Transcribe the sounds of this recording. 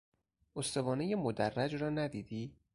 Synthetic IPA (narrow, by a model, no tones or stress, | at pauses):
ʔost̪o̞vɒːnejemod̪ærːæd͡ʒrɒːnæd̪iːd̪iː